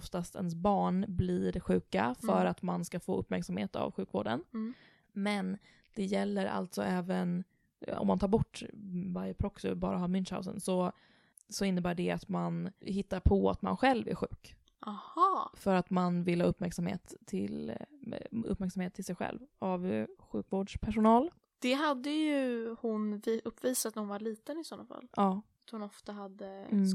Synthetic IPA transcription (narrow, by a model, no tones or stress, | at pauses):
ft̪ast̪ɛnsbɑːɳblɪɾɧʉ̟ːkafœɾat̪manskafoːɵpːmæɾksamhḛːt̪a̰vɧʉ̟ːkvo̰ːɖə̰n | mɛn | d̪̥ɛjɛlːəɾʔa̰lt̪sɔ̰ɛːvən | ɔ̰mːant̪ʰɑːɾbɔʈːvaɾjəpʰɾɔksʊ̰bɑ̰ːɾaɦɑːmʏnʃha̰ʊsə̰nsɔ | sɔɪnːəbæːɖɛat̪manhɪt̪ːaɾpʰɔa̰t̪ma̰nɧɛlvæ̰ɾɧʉ̟ːk | ʔahɑːfœɾat̪manvɪlhɑːɵpːmæɾksamhḛːt̪ʰːɪ̰l | ɵ̰pːmæɾksamheːt̪ʰːɪlsɛjɧɛ̰lvavɧʉ̟ːkvoːɖʂpʰæʂʊnɑːl | d̪̥ɛɦad̪ːəjɵhʊnvɵpːviːsat̪nhʊnvaɭiːt̪ənɪsɔnːa̰fa̰lːʔɑːat̪hʊnɔft̪aɦad̪ːə